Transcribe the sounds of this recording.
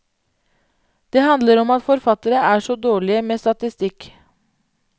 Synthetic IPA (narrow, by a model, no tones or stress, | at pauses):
d̪̥eːhɑnd̪ləɾɔmɑt̪fɔɾfɑt̪əɾəʔæːʂɔd̪oːɭɪəmeːst̪ɑt̪ɪst̪ɪk